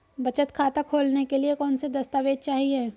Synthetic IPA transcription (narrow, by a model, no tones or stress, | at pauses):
bɐt͡ʃət̪kʰaːt̪akʰoːlnekeliekɔːnsed̪ɐst̪aʋeːd̪̚t͡ʃaːɦieː